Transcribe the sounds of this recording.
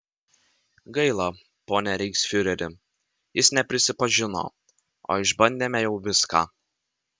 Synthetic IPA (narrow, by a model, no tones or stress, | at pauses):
ɡɐɪlˠɑ | poːnʲɛɾʲɛɪksfʲʊɾʲɛɾʲɪ | jɪsnʲɛpʲɾʲɪsʲɪpɐʒʲɪno̰ː | o̰ːɪʒbɐnʲd̪ʲeːmʲɛjɛʊʋʲɪskɑ̰ː